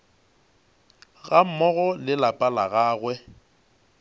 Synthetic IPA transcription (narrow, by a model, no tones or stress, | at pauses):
ɣam̩mɔɣɔlɪlapʼalaɣaːɣwɛ